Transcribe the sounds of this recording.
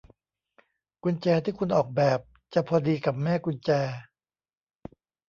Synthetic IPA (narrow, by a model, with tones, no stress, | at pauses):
kʰu˧nt͡ɕɛː˧t̪ʰiː˥˩kʰu˧nʔɔː˨˩k̚bɛː˨˩p̚ | t͡ɕa˨˩pʰɔː˧diː˧ka˨˩p̚mɛː˥˩kʰu˧nt͡ɕɛː˧